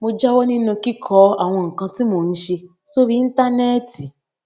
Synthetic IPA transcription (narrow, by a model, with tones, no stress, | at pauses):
mo˧d͡ʒa˦wo˦nĩ˦nũ˧ki˦kʰɔ˦a˦˨w̃ɔ̃˧ŋ̩˨kã˧ti˦mo˧˨n̩˦ʃe˧ | so˦ɾi˦n̩˦ta˦nɛ˦ti˨